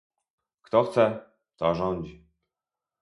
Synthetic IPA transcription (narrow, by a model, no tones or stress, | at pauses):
kt̪ɔxt̪sɛ | t̪aʒɔnʲd͡ʑi